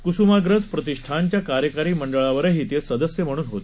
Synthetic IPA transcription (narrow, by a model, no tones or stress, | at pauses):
kusumaɡɾəd͡zpɾət̪iʂʈʰaɲt͡ɕjakaɾjəkaɾiːməɳɖəɭaʋəɾəɦiːt̪esəd̪əsjəm̤əɽ̃uːnɦot̪e̥